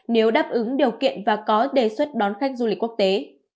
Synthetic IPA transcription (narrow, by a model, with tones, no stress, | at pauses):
ne˨˦wɗaː˦˥p̚ʔɨ˨˦ŋɗi˨˩əwkḭ˧˨ənvaː˨˩kɔ˨˦ɗe˨˩swə˦˥t̚ɗɔ˨˦nxa˦˥jk̟̚zu˧˩ï˨˩k̚ku˦˥ək̚t̪e˨˦